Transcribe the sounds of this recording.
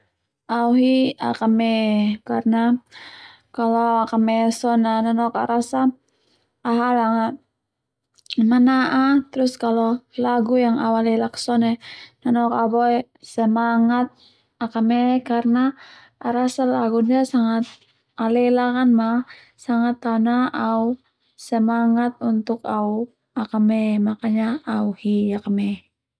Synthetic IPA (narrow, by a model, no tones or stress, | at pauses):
auɦia̰kamɛkarna | kaloakamɛsɔnananɔka̰ɾasa | aɦalaŋa | manaʔat̪ɾʊskalolaɡujaŋa̰walɛlaksɔnɛnanɔkabɔe | səmaŋat̪̚ | akəmɛkarna | ɾasəlaɡundiasaŋat̪̚ | alɛlakanma | saŋat̪ːaunaʔau | səmaŋat̪̚unt̪ʊkau | akəmɛmakaɲaauhijakəmɛ